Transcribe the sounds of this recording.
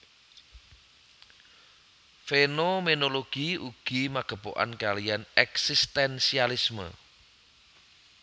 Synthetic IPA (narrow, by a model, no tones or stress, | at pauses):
fenomenoloɡ̥iuɡ̥imaɡ̥ə̤po̰ʔa̰nkalijanɛksist̪ɛnsialismə̰